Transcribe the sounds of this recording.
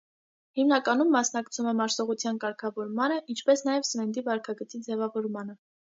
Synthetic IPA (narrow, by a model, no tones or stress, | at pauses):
himnɑkɑnumːɑsnɑkt͡sʰumɛmɑɾsɔʁut͡sʰjɑnkɑɾkʰɑvɔɾmɑnəʔint͡ʃʰpɛsnɑjɛvsəvɛnd̪ivɑɾkʰɑɡət͡sid͡zɛvɑvɔɾmɑnə